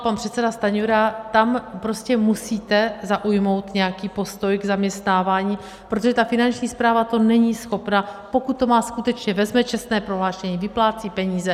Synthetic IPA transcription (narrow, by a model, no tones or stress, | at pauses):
panpr̥ɛt̪sɛdast̪aɲuɾat̪ampɾoscɛmusiːt̪ɛzaʔujmo̞wt̪ɲɛjakiːpo̞st̪o̞jɡzamɲɛst̪naːvaːɲiː | pɾot̪oʒɛt̪afɪnant͡ʃɲiːspɾaːvat̪o̞nɛɲisxo̞pnapo̞kut̪̚ːo̞maːskut̪ɛt͡ʃɲɛvɛzmɛt͡ʃɛst̪nɛːpɾoɦlaːʃɛɲiːvɪplaːt͡siːpɛɲiːzɛ